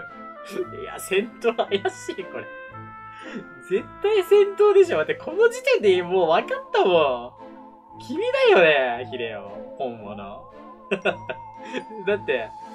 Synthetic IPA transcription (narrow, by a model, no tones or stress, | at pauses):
ia̰sẽ̞nt̪oːajaɕiːko̞ɾe | d͡ze̞t̪aisẽ̞nt̪oːd̪e̞ɕioat̪ːekʰo̞nod͡ʑit̪ẽ̞nd̪emoːβakat̪ːamo | kʲʰimʲid̪ajo̞neçiɾḛo̰hõmːono̰ | d̪at̪ːe̞